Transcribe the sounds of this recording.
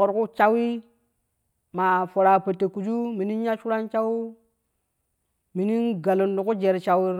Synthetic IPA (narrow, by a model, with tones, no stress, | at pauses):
o˨ɾku˦t͡ʃa˦wi˦ | ma˨fo˨ɾa˨pə˨tːe˨ku˨d͡ʒu˦mi˨ni˦n˦ja˦ʃu˦ɾa˦nt͡ʃa˦wi˦ | mi˨ni˦nɡa˨lo˨ndu˨ku˦d͡ʒe˨ɾt͡ʃa˨wi˦ɾ